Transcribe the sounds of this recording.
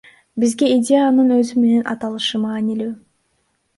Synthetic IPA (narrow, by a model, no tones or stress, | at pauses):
bizɡe̞idʲe̞janɯnøzyme̞ne̞nʔɑ̰t̪ɑlˠɯʃɯmɑːnilyː